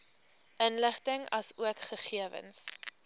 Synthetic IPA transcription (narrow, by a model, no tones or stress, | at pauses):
ʔənləχtəŋɐsuəkχəχiəvə̰ns